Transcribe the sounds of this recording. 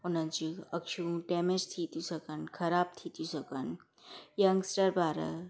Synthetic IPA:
onənt͡ʃiəkʃũʈemet͡ʃt̪ʰit̪usəkənkʰɐɾaːb̚t̪ʰit̪jũsəkən | jɐŋɡsʈəɾbaːɾə̰

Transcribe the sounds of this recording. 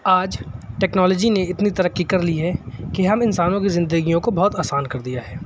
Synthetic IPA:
aːd͡ʒʈɛːknɔːlɔːd͡ʒineɪt̪nit̪ɐɾəqːikɐɾliɦɛkeɦɐmɪnsaːnõkizɪ̃nd̪əɡijõkobɔɦːt̪aːsaːnkɐɾd̪ijaɦɛː

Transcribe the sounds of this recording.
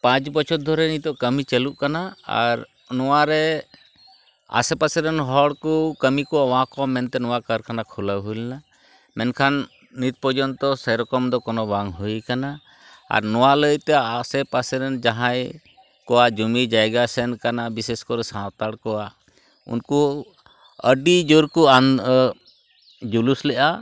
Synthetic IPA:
pãt͡ʃbɔt͡ʃʰɔt̪̚d̪ʱɔɾɛnit̪ɔʔkəmit͡ʃɛluʔkanaa̰ɾ | nɔwaɾɛ | a̰sɛpasɛɾɛnɦɔɽkɔkəmikɔawãkɔmɛnt̪ɛnɔwakəɾkanakʰɔləɦulna | mɛnkʰanː | it̪̚pɔd͡ʒɔnt̪ɔsəjɾɔkɔmd̪ɔkɔnɔbaŋɦujkana | a̰ɾnɔwaləjt̪ɛasɛpasɛɾɛnd͡ʒaɦãj | kɔwad͡ʒumid͡ʒajɡasɛnkanabiseskɔɾɛsãt̪aɽkɔa | ṵnku | əɖid͡ʒoɾkuan | d͡ʒuluslɛʔa

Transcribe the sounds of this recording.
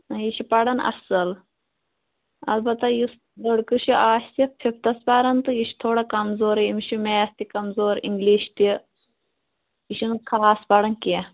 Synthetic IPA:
jiʃipɐɽɐnɐ̰sɐl | ɐ̰lbɐt̪ɐjus | d̪əɽkɨʃiʔaːʃsipʰip̚ʰt̪ɐspɐɾɐnt̪ɨjiʃt̪ʰoːɽɐkɐmzoːɾimʃimeːst̪ikɐmzoːɾḭŋɡliːʃt̪i | iʃinɨkʰaaːspɐɽɐnkiɐ

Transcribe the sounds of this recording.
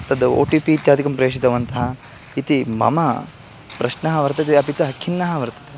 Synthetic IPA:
t̪ɐd̪uo̰ːʈipiːt̪jaːd̪ʱikɐmpɾeːʂ̬id̪ɐʋɐnt̪ɐɦɐ | it̪imɐ̰mɐ | pɾɐʃnɐɦɐʋɐɾt̪ɐt̪eɐpit͡ʃɐɦɐkʰːinːɐɦɐʋɐɾt̪ɐ̥t̪e

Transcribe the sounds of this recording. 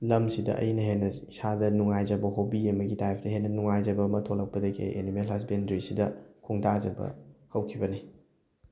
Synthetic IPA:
lɐmsidɐ̰ʔɐ̰jnɐɦenɐisadɐnuŋajd͡ʒɐbɐɦowbiemɐɡitajpʰdɐɦenːɐnuŋajzɐbɐmɐtʰolɐk̚pɐdɐɡḛʔḛnimelɦɐsbendɾisidɐkʰuŋdazɐbɐ̰hɐwkʰibɐni

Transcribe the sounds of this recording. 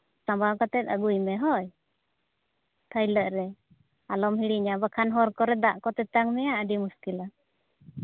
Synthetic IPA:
sãmbakat̪ɛt̪̚əɡujmɛɦɔj | t̪ʰəjləʔɾɛ | alɔmhiɽiɲabakʰanɦɔɾkɔɾɛd̪aʔkɔt̪ɛt̪aŋmɛjaʔəɖimuskila

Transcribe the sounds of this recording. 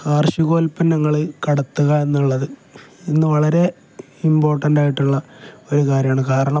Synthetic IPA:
kaːrɕuɣo̞ːlpɐnnɐŋːɐɭkɐɽɐt̪ːuɣɐenːuɭːɐðɨinːɨʋɐɭɐɾe̞ | imbo̞ːrʈɐnɖaːjiʈːuɭːɐo̞ɾukaːɾjaːɳɨkaːɾɐɳɐm

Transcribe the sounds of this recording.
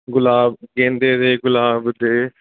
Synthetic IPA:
ɡʊlaːbkẽːnd̪eːd̪eːɡʊlaːbd̪eː

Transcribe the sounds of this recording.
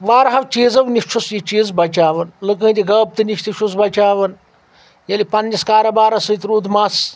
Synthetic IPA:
ʋaːɾɦɐʋt͡ʃiːzɐʋniʃt͡ʃʰusjit͡ʃiːzbɐt͡ʃaːʋɐnlɨkə̃ːt̪iɡɐːb̚t̪ɨniʃt̪iʃus̬bɐt͡ʃaːʋɐn | jɐlipɐnːiskaːɾɐbaːɾɐsɨjt̪ɾuːd̪maːs

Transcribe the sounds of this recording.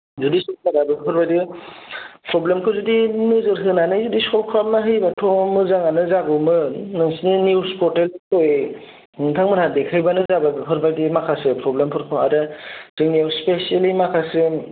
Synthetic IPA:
zudisɔlkʰaɾabɯpʰɯɾbajdi | pɾɔblemkʰɯzudinɯzɯɾɦɯnanɯzudisɔlkʰɾap̚naɦɯjbatʰɔmɯzaŋanɯzaɡɯmɯnɯŋsninuwspɔɾtelkʰoj | ŋtʰaŋmɯnhadekʰɯjbanɯzababɯpʰɯɾbajdimakʰasɯpʰɾɔblempʰɯɾkʰɯa̰ɾɯzɯŋniwspesielimakʰasɯ

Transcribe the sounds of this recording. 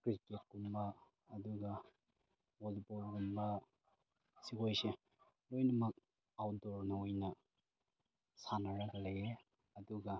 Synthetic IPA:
kɾiket̚kumbɐː | duɡɐ | wolpolɡumbɐ | sikojse | lojnɐmɐk̚ | awdoɾnɐojnɐ | sanɐɾɐɡɐleje | ɐduɡɐ

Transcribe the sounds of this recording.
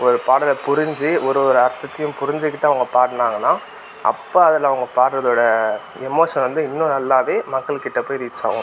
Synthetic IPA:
ɔɾɯpaːɽɐlɐpʊɾɪɲd͡ʒɯɔɾɯɔɾɯɐɾt̪ːɐt̪ːɐjʊ̃mpʊɾɪɲd͡ʒɯkːɪʈːɐɐʋɐŋɡɐpaːɾʈɯnaːŋɡɐnːãː | ʔɐ̰pːoːɐðɐlaːʋɐŋɡɐpaːɾɾɐðoːɽɐ | ɛmoːʂɐnʋɐnd̪ɯɪnːʊ̃nɐlːaːʋeːmɐkːɐɭkːɪʈːɐpːoːjɾiːt͡ʃːa̰ːʋʊ̰̃

